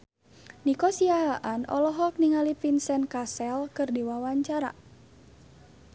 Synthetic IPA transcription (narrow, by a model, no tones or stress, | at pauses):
nikɔsiaɦaʔanɔ̰lɔɦɔk̚niŋalipinsɛnkasɛlkɨrdiwawaɲt͡ʃaɾa̰